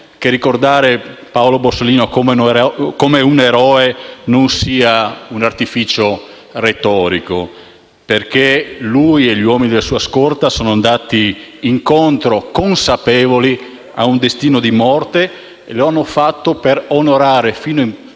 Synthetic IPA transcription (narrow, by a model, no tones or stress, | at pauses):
kerikord̪aːɾepaolobosoliːnokomekomeuneɾɔːenonsiːaunart̪ifiːt͡ʃo | ret̪ɔːɾiko̰ | perkelujeʎiwɔːminid̪elasuːaskort̪asoːnoand̪aːt̪iːŋkont̪ɾokonsapɛːvoli | a̰und̪est̪iːnod̪imɔrt̪e | ḛloanːofat̪ːoperonoɾaːɾefiːnoiŋ